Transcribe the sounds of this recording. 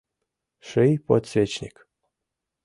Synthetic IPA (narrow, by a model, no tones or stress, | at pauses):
ʂɨjpo̰t̪svʲet͡ɕnʲḭk